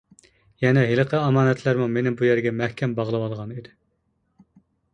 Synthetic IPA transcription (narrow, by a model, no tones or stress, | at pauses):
jɛnɛɦelˠəqʰəɑmɑːnɛt̪læɾmumenɪbujæɾɡʲɛmɛhkʲʰɛmbɑʁlˠɨwɑlˠʁɑnid̪ɪ